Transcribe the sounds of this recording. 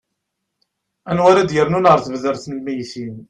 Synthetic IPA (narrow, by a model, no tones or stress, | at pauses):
ænwaɾæd̪jəɾnunʁəɾˤθvðəɾθnlmæjθin